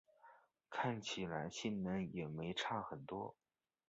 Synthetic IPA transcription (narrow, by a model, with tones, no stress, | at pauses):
kʰa˥˩nt͡ɕʰi˨˩la˧˥ɪɕi˥˩nnə˧˥njɛ˨˩me˧˥ɪʈ͡ʂʰa˥˩xə˨˩nt̪wɔ˥